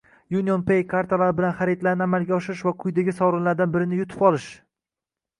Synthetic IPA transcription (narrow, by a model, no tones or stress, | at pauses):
junʲionpejkʰaɾt̪ʰalaɾɪbɪlanχaɾit̪laɾnɪamalɡʲaɒʃɪɾɪʃvaqʰʊjd̪aɡʲɪsɒwɾɪnlaɾd̪anbɪɾɪnɪjʊt̪ʰɪ̥pɒlˠɪʃ